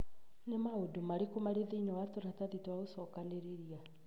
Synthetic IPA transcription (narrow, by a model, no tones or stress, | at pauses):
nemaodomaɾekomaɾeðeinɛwatoɾataðitwaosɔkaneɾeɾia